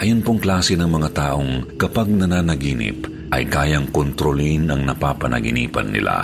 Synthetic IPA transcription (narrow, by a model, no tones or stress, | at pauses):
ʔɐjonpoŋklaːsɛnɐŋmɐŋat̪aːʔo̞ŋkɐpaɡ̚nɐnaːnɐɡiːnɪ̰p | ʔɐ̰jkaːjɐŋkont̪ɾolinɐŋnɐpaːpɐnɐ̰ɡɪniːpɐ̰nːɪ̰lʔa̰